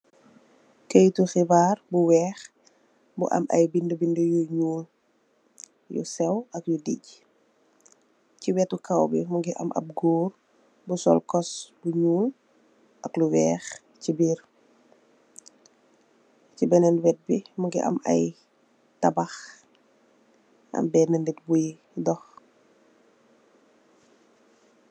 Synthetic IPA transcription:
kəjtuxibaːrbuwɛːx | buʔɐ̰mɐ̰jbindəbindəjuɲuːl | jṵsɛwɐkjudḭɟ | ciwɛtukʰawbḭmuŋɡiʔɐ̰mʔɐ̰p̚ɡuːr | busɔ̰lkɔsbuɲuːl | ʔɐkluwɛːx | cibiːr | cibɛnɛnwɛt̚bimuɡiʔɐ̰mʔɐ̰j | tɐbɐx | ɐ̰mbɛnəndit̚buj | dɔx

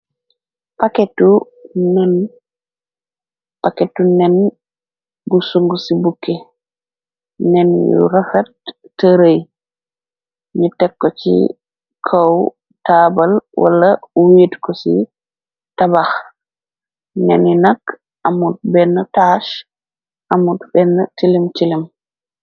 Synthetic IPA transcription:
paketːu | nɛn | paketːunɛn | busuŋɡusibukːe | nɛnjṵɾɐfɐtː | əɾəj | ɲutɛkːot͡ʃḭ | kʰaw | tabalwa̰lːawiːtkɔsḭ | tabax | nɛ̰ninak | ʔamud̚bɛnːataʃ | ʔamutbɛnːatilimtilim

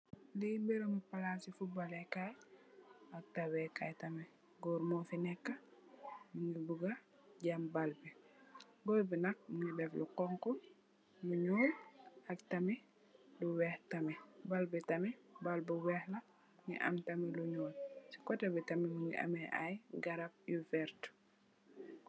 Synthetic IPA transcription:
limbɛɾomipalasifubalekaj | ak̚tawɛkaːjtɐmi | ɡɔɾmɔfinɛkːɐ | muŋɡibuɡɐ | ɟambalbɛ | ɡɔlbinɐk̚muŋibɛfluqɔŋkɔ | luɲɔːlɐktɐmi | luwɛːhtɐmibalbitɐmibalbuwɛːhlɐ | ŋḭʔa̰mtɐmiluɲɔːlsi̥kɔtɐbitɐmimuŋɡḭʔa̰mɛʔa̰jɡɐɾab̚juvɛɾt

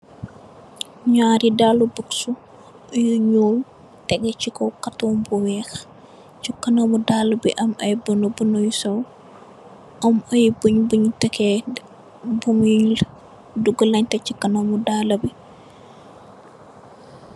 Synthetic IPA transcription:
ɲaɾidalubəksu | juɲuːm | tɛɡɛt͡ʃikɔkɐtɔːmbuwɛːx | t͡ʃukɐnɐmudaːlɐbḭʔɐmɐjbənubənojusɐw | ʔɐmɐjbuɲbuɲutɛkɛ | buŋjuɲl | duɡəlɐɲtɛcikɐnomudaːlɐbi

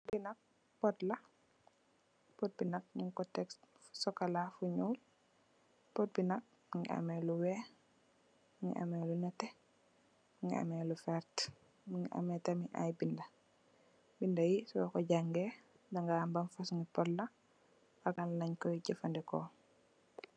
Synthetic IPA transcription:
binɐk̚ | pɔtlɐ | pɔt̚binɐk̚ɲiŋkɔtɛks | sɔkalafuɲuːl | pɔt̚binak̚ | ŋḭʔa̰mɛluwɛ | ŋḭʔa̰mɛlunɛtɛ | ŋɡḭa̰mɛlufɛɾt | ŋiʔa̰mɛtɐmiʔa̰jbinda | bindajisɔwɛkɔɟaŋɡɛ | daŋɡambanfasŋɡipɔtla | aɡanlɐɲkɔjɟɐfandɛkɔ̰

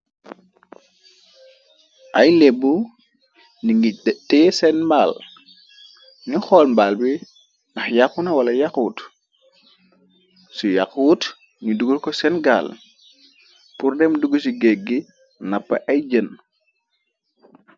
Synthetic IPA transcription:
ʔɐjlebːu | niŋɡitɛːsɛnmbaːl | nixɔlmbaːlbi | nɐxjakunɐwɐlɐjakuːt | suja̰kuːt | ɲuduɡulkɔsɛnɡa̰ːl | purdɛmduɡusiɡeɡːi | napːɐ̰ʔɐjɟən

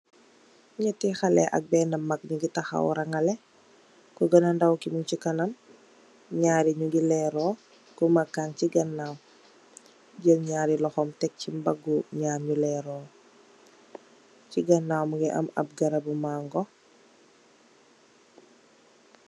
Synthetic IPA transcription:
ɲatixɐlɛ̰ʔɐ̰k̚bɛːnɐmːɐk̚ɲuɡitɐxa̰wɾɐŋɐlɛ | kuɡɐnɐndawkimuɲcikɐnɐm | ɲaːɾiɲuɡilɛɾɔː | kumɐkːaŋciɡɐnːaːw | ɟəmɲaːɾilɔxɔmtɛk̚cimbɐɡuɲaːnɲulɛːɾɔː | ciɡɐnːawmuɡiʔɐ̰mɐ̰p̚ɡɐɾɐbumaŋɡɔ

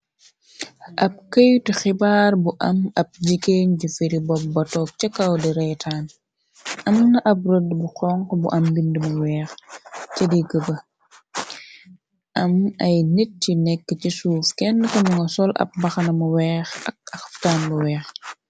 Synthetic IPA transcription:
ʔɐp̚kəjtixibaːrbuʔɐmɐp̚ɟikeːɲɟufiɾibɔp̚bɐtɔːk̚t͡ʃɐkːɐwdiɾɛjtʰaːn | ʔɐmnɐʔɐp̚rodbuxɔŋkɔbuʔɐmbindəmuwɛːxt͡ʃɐdiɡəbɐ | ʔɐmɐjnet̚ːinɛkːəcisuːfkɛnːəkɐmuŋɡɐsɔlɐ̰p̚bɐxɐnɐmɐwɛːxɐ̰k̚ɐxftaːnbuwɛːx

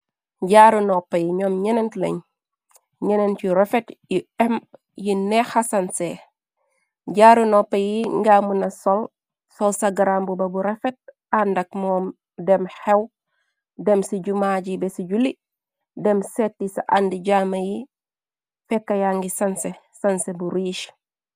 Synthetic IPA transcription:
ɟaːɾunɔpːɐjiɲɔmɲɛnentlɐ̰ɲ | ɲɛnent͡ʃiɾefetjiɛm | jinɛxasɐnse | ɟaɾunɔpːɐjiŋɡamunɐsɔl | sɔlsɐɡaɾambubɐbuɾefet̚ | andɐk̚mɔːm | dɛmhew | dɛmsiɟumaɟibesiɟuli | dɛmsetːisaʔandiɟaːmɐji | fɛkːɐjaŋɡisɐnse | sɐnsebuɾiːʃ

